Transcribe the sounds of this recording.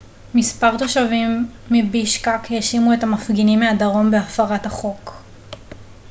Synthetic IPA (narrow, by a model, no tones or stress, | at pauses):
mispaʁt̪o̞ʃavimː | ibiʃkakjaʃimue̞tamafɡinimːeadaʁo̞mbeafaʁathaχo̞k